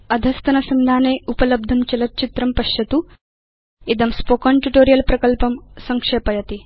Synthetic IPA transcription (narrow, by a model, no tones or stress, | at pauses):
ɐd̪ʱɐst̪ɐnɐsɐnd̪ʱaːneːupɐlɐb̚d̪ʱɐmt͡ʃɐlɐt̪̚t͡ʃit̪ɾɐmpɐʃjɐt̪u | id̪ɐmspokɐɳʈuʈoːɾijɐlpɾɐkɐlpɐmsɐŋkʂeːpɐjɐt̪i